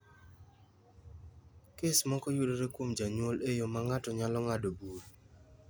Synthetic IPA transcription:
kesmɔkɔjudoɾekwomd͡ʒaɲwolejomaŋatɔɲalɔŋadobuɾ

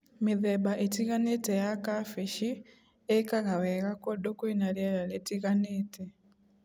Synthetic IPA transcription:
miðebaʔetiɣanetejakafiʃi | ekaɣaweɣakodokuinaljeɾaletiɣaneːtʰe

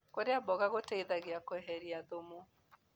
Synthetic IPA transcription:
koɾeabɔɣaɣoteiðaɣeakoɛɦɛɾiaðomu

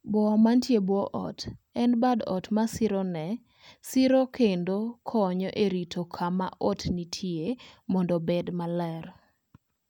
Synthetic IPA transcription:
bwɔmantjebwɔʔɔ̰tɛnbadɔ̰tmasɪɾɔnɛ | sɪɾokʰendokʰɔɲɔʔeɾitʰokʰama̰ʔotnitʰjemɔndɔbedmalɛɾ

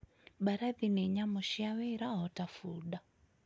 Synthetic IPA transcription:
ɓaɾaðinɛɲamɔʃiawɛɾaɦɔtafuɗa

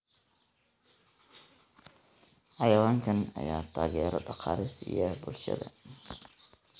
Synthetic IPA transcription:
ħɑjɐwaːŋkʰɐnɐ̰jaːt̪ʰaːɣɛːɾɔɖɑqɑːɾɪsɪjɐbʊlʃɐ̰ðɐ̰

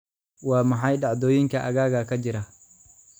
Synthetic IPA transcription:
wɑːmɐħɑjɖɑʕd̪ɔːjɪŋkʰɐʔɐɣaːɣakʰɐd͡ʒɪɾɐ

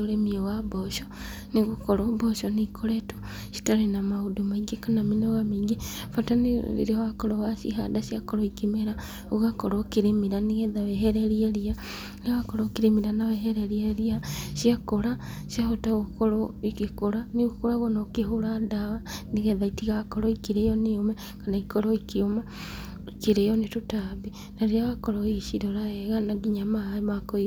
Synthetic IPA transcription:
oɾemiewabɔʃɔ | niɣukɔɾɔbɔʃɔnikʰoɾeto | si̥taɾenamaudumaiŋɡekanaminoɣamiːŋɡefataniḭɾewakɔɾɔwaʃḭɦadaʃiakɔɾɔikimeɾa | uɣakoɾokiɾemiɾaniɣɛðawɛɦeɾeɾieɾia | newakoɾokiɾemiɾanawɛɦeɾeɾieɾiasiakoɾa | sjaɦotaokoɾɔikekoɾaneokoɾaɣonɔkeɦoɾadawaneɣɛðaitiɣakɔɾɔikiɾejɔneomɛ | kanaikɔɾɔikioma | keɾejɔnetutabi | naɾeaɣakɔɾɔiʃiɾɔɾaɛɣanaɡiɲamaemakɔi

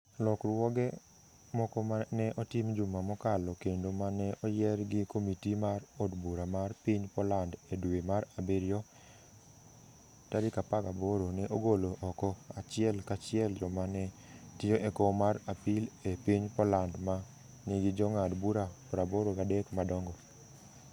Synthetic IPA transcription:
lɔkɾwɔɡɛ | mɔkɔmanɛʔɔtɪmd͡ʒumamɔkalɔkendomanɛʔɔjɛrɡɪkomitimaɾodbuɾamarpiɲpɔlandedwemaɾabeɾjɔ | tadɪkapaɡaboɾonɛʔoɡoloʔɔkɔat͡ʃɪɛlkat͡ʃɪɛld͡ʒɔmanɛtɪjoʔekomaɾapilepiɲpɔlandma | neɡɪd͡ʒɔŋadbuɾapɔɾaboɾokadɛkmadɔŋɡɔ

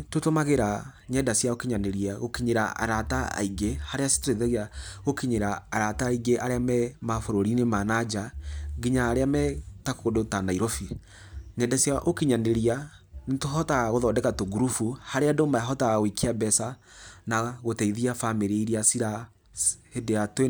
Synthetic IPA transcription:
totomaɣeɾa | ɲɛdasjaokiɲaneɾiaɣokiɲeɾaa̰ɾataa̰iɡehaɾeasi̥toɾeðɛɣiaɣokiɲeɾaːɾataiɡeʔaɾeamɛmafoɾoɾinemanad͡ʒaɡiɲaːɾeamɛtakodotanaiɾofi | ɲɛdasjaʔokiɲaneɾia | netoɦɔtaɣaɣoðɔdɛkatoɡuɾufuhaɾeadomaaɦɔtaɣaɣwikiabɛsanaɣotɛiðiafameɾeiɾiasiɾa | hedeatwe

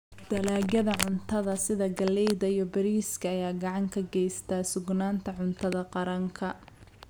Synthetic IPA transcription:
d̪̥ɐlaːɡɐðɐʕʊnt̪ʰɐðɐsɪðɐɡɐlɛjðɐijɔbɐɾiːskʰɐːjaːɡɑʕɑŋkʰɐɡɛjst̪ʰaːsʊɡnaːnt̪ʰɐʕʊnt̪ʰɐðɐqɑɾɐŋkʰɐ

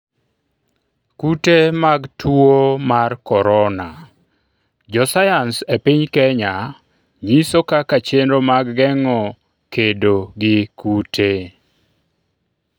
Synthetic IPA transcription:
kutemaɡtʰuomarkɔɾɔna | d͡ʒɔsajansepiɲkɛɲa | ɲisokakat͡ʃenɾomaɡːɛŋɔ | kedoɡɪkutʰe

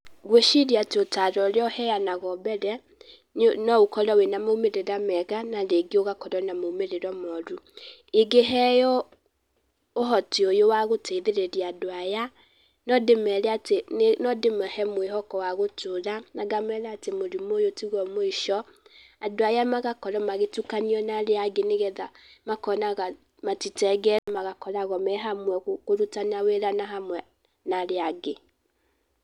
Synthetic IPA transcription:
ɣweʃiɾiateotaɾɔɾjɔhɛjanaɣɔbɛɾɛ | nɔukɔɾɔwenamoumeɾeɾamɛɣanaɾeɡioɣakɔɾɔnamoumeɾeɾɔmɔɾueɡeɦɛjɔ | oɦɔtiojowaɣotʰeðeɾeɾiadoaja | nɔdemɛɾɛatennɔdemɛhɛmweɦɔkɔwaɣotʰoɾanaɡamɛɾɛatemoɾimoːjotiɣɔmoiʃɔadoajamaɣakɔɾɔmaɣetukaniɔnaɾeaɡeneɣɛða | makɔnaɣa | matitɛɡɛɛmaɣakɔɾaɣɔmɛɦamwɛɣkoɾutanaweɾanaɦamwɛ | naɾeaɡe

